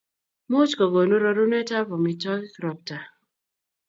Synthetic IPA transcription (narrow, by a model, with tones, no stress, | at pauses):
mo˦t͡ʃkɔ˨ɡo˨nu˦ɾo˦ɾu˦nɛ˦ta˦vɔ˨mi˨tɔ˦kkɾɔ˨p̚ta˨